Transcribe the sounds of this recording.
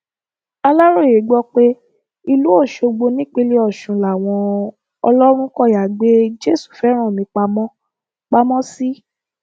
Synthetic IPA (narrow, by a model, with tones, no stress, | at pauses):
a˧la˦ɾo˦˨e˨˦ɡ͡bɔ˦k͡pe˦ | i˧lu˦o˦˨ʃo˧ɡ͡bo˧nĩ˦k͡pe˧˦le˦ɔ˦˨ʃũ˨˦la˨w̃ɔ̃˧ | ɔ̰˧lɔ˦ɾ̃ũ˦kɔ˦˨ja˨ɡ͡be˦d͡ʒe˦˨su̥˦˨fɛ˨˦ɾ̃ɔ̃˦˨mĩ˧k͡pa˧mɔ̃˦ | k͡pa˧mɔ̃˦si˦